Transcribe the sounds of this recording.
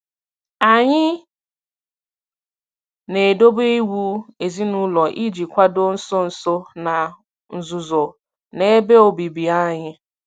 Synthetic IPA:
a˨ɲɪ˦ | ne˨do˦bi˦wu˦e˨zi˦nu˦lɔ˨ʔi˦d͡ʒi˨kʷa˦do˦n̩˦so˦n̩˦so˦na˨ | n̩˨zʊ˨zo˨ | ne˦be˦o˨bi˨bi˨a˦ɲɪ˦

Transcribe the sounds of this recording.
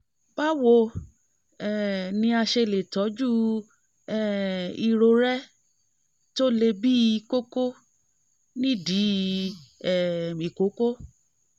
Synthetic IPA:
ba˦wo˧ | ɛ˨nĩ˧a˧ʃe˧le˨tɔ˨˦d͡ʒu˦ | ɛ˦˨i˧ɾo˧ɾɛ˦ | to˦le˧bi˦˧ko˦ko˦ | nĩ˦˨di˨˦ | ɛ˨i˨ko˨˦ko˦

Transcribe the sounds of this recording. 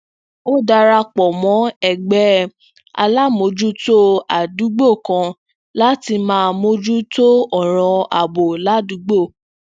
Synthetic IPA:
o˦da˧ɾa˧k͡pɔ˨mɔ̃˨˦ɛ˦˨ɡ͡bɛ˦ | a̰˧la˦mo˧d͡ʒu˦to˦a˨du˨˦ɡ͡bo˦˨kã˧ | la˦ti˧mãː˦mo˧˦d͡ʒu˦to˦ɔ˦˨ɾ̃ɔ̃˧a̰˨bo˨la˦du˨˦ɡ͡bo˦˨

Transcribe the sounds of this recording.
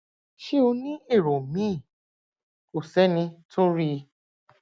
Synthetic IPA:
ʃe˦o˧nĩ˦e˦˨ɾo˨mĩ˦˨ | ko˨sɛ˨˦nĩ˧tʰo˦ɾi˦˧

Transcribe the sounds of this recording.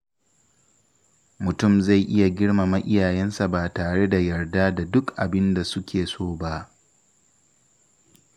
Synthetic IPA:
mʊ˨tʊ˦˨mza˦˨jʔɪ˦ja˨ɡʲɪ˦ɽma˨mɐ˦ʔɪ˦jaː˨jɛ˦nsa˨baː˨taː˨ɽe˦da˨jɐ˨rdaː˦da˨dʊ˦kʔa˨bɪ˦nda˨sʊ˦kʲʰeː˨soː˦˨ba˦ʔ

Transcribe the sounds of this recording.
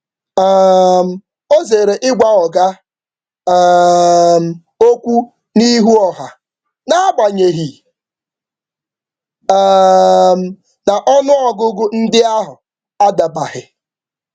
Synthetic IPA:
m̩˨ | o˦ze˨ɾe˨ʔɪ˦ɡʷa˦ɔ˨ɡa˦ | m̩˨ | o˦kʷu˦ | ni˦ɦu˦ɔ˨ɦa˨ | na˦a˦ɡ͡ba˨ɲe˨ɦi˨˦ | m̩˦ | na˨ʔɔ˦nʊ˦ɔ˦ɡʊ˦ɡʊ˦n̩˦dɪ˦a˦ɦʊ˨ | a˦da˨ba˨hɪ˨

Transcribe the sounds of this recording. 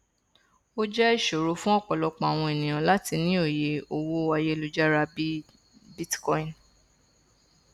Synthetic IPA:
o˦d͡ʒɛ˦i˦˨ʃo˨ɾo˨˦fũ˦ɔ˦˨k͡pɔ˨lɔ˧k͡pã˨a˨w̃ɔ̃˧e˨nĩ˨j̃ã˨la˦ti˧nĩ˦o˦˨je˧o˧wo˦wa˧je˦lu˦d͡ʒa˦ɾa˧bi˦ | bi˦tkɔ̃˧ĩ˨n

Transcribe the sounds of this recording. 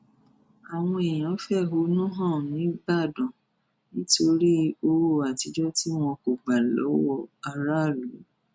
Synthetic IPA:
a˨w̃ɔ̃˧e˨j̃ã˨ɔ˨˦fɛ˦˨ɦo˧˦nũ˦ɦã˦˨nĩ˨˦ɡ͡ba˦˨dɔ̃˨ | nĩ˦to˧ɾi˦o˧wo˦˨a˨ti˧d͡ʒɔ˦ti˦w̃ɔ̃˧ko˨ɡ͡ba˨lɔ̰˨˦wɔ˧a˧ɾa˦˨lu˨˦

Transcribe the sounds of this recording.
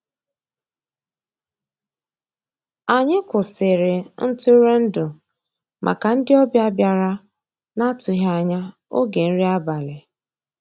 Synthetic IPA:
a˨ɲɪ˦kʊ˨sɪ˨ɾɪ˨n̩˦tʊ˦ɾe˦n̩˦dʊ˨ | mʔa̰˨ka˨n̩˦dɪ˦ɔ˦bja˦bja˨ɾa˦ | na˦tʊ˨ɦa˨ɲa˦ | o˦ɡe˨n̩˦ɾi˦a˦ba˨lɪ˨

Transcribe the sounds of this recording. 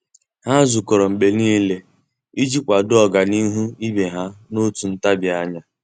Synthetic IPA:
ha˦zu˨ko˨ɾo˨m̩˨ɡ͡be˨niː˦le˦ | i˦d͡ʒi˦kʷa˨dʊ˦ɔ˨ɡa˨ni˦ɦu˦i˦be˨ɦa˦no˦tu˨n̩˦ta˦bja˦ɲa˦

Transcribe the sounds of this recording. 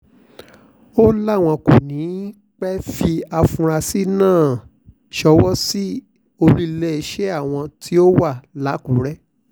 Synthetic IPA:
o˦la˦˨w̃ɔ̃˧ko˨nĩ˨˦ | k͡pɛ˦fi˧a˧fũ˧ɾa˧si˦nãː˦˨ | ʃɔ˧wɔ˦si˦ | o˧lu˦i˧lɛ˦i˧˨ʃe˦a˦˨w̃ɔ̃˧tʰi˦o˦wa˦˨la˨˦kũ˨˦ɾɛ˦

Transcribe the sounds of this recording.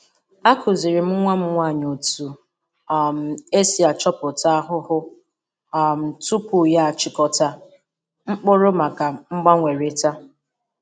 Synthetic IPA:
a˦kʰʊ˨zi˨ɾɪ˨m̩˦ŋʷa˦m̩˦ŋʷa˦˨ɲo˨tu˨ | m̩˨e˦si˨a˨t͡ʃɔ˦pʊ˨ta˦a˦ɦʊ˦hʊ˦˨ | m̩˨tu˦pʊ˨ja˦a˨t͡ʃɪ˦kɔ˦ta˦ | ŋ͡m̩˦k͡pʊ˦ɾʊ˦ma˨ka˨ŋ͡m̩˦ɡ͡ba˦ŋʷe˨ɾe˨ta˦

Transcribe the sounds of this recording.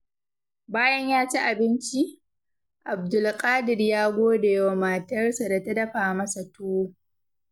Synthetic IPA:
baː˦jɐ˦ɲjaː˦t͡ʃa˦ʔa˨bɪ˦nt͡ʃi˦ | ʔa˨b̚dʊ˨lkʼaː˦dɪ˨ɽjaː˦ɡʷoː˦da˨jɐ˦wa˨ma˨tɐ˦rsa˨da˨tɐ˦dɐ˦ɸaː˨mɐ˦sa˨tuː˦

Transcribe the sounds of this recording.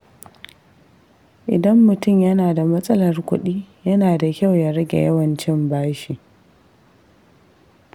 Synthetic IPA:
ʔɪ̰˨dɐ˦mːʊ˨tʊ˦˨mjɐ˦naː˨da˨mɐ˦sʼɐ˦lɐ˨rkʷʊ˦ɗiː˦jɐ˦naː˨da˨kʲa˦˨wja˦ɾɐ˦ɡʲḛ˨jɐ˦wɐ˨nt͡ʃɪ˦mbaː˦ʃi˨

